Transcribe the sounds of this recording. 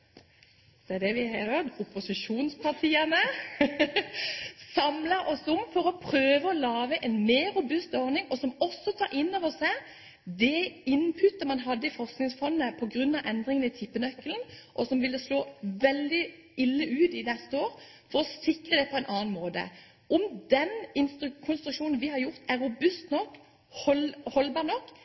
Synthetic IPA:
d̪̥ɛd̪ɛʋɪhɛt̪əʊpʊsɪʂuːnspʰɑʁt̪ʰiːənə | sɑmləɾʔɔsʊmfɔɾɔpʰɾøːʋəɔlɑːʋəʔɛnmeːɾːʊbʉst̪ɔɾnɪŋɔsɔmɔsːɔt̪ʰɑːɾʔɪnːoːʋəsæ | d̪ɛɪnpʰʉt̪əmɑnɦɑd̪ːəɪfɔʁsknɪŋsfɔnːəpʰɔɡɾʉnːɑʋʔɛnd̪ɾɪŋənɪt̪ʰɪpːənœkːəln̩ʔɔsɔmʋɪlːəsloːʋɛld̪ɪ | ɪlːəʔʉːd̪ɪnɛst̪əoːɾ | fɔɾɔsɪkʁəd̪ɛpʰɔɛɪnʔɑːn̩moːd̪ə̰ | ʔɔmd̪ɛnɪnst̪kʰʊnst̪ɾʉkʃuːnn̩ʋɪhɑɾjʊʁt̪æʁɾʊbʉst̪nɔkː | hɔlhɔlbɑːʁnɔkː

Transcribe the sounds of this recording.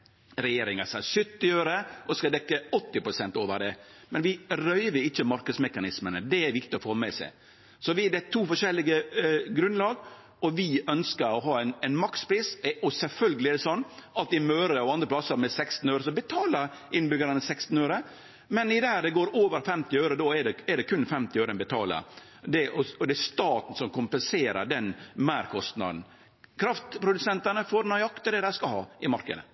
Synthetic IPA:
ɾɛjeːɾɪŋɑsɑsʏt̪ːɪøːɾəʔɔskɑd̪ɛkːəɔt̪ːɪpɾʊsɛnt̪oːʋə̰ɾɖɛmɛnʋɪɾœʏʋəɪçːəmɑɾkəd̪smɛkɑnɪsmənəd̪ɛæɾʋɪk̚t̪ɪɔfɔɾmɛsɛ̰ɪ | sɔʋɪd̪ɛt̪ʰuːfɔʂɛlːɪɡəɡɾʉnlɑːɡ | ɔʋɪœnskəɾɔɦɑːæɪnæɪnmɑkspʰɾiːsɔsɛlfœlɡəlɪæd̪ɛsɔnːɑt̪ɪmøːɾəɔɑnd̪ɾəpʰlɑsəɾmɛsɛkst̪n̩øːɾəsɔbət̪ʰɑːləɾ | ɪnbʏɡəɾənəsɛkst̪n̩øʉɾə | mɛnɪd̪ɛhæːɖ̪ɛɡoːɾoːʋəɾfɛmt̪ɪœʉɾəd̪ɔɛɖɛɛd̪ɛkʰʉnːfɛmt̪ɪœːɾəɛnbɛt̪ʰɑ̰ːlə̰ɾ | d̪ɛʔɔɔd̪ɛɛst̪ɑːt̪n̩sɔmkʰʊmpɛnseːɾə̰ɖɛnmæːɾkʰɔst̪nɑ̰d̪n̩ | kʰɾɑft̪pʰɾʊd̪ʉsɛnt̪ənəfɔɾnɔjɑkt̪əd̪ɛd̪æɪskɑlhɑ̰ːʔɪmɑɾkə̰d̪ə̰

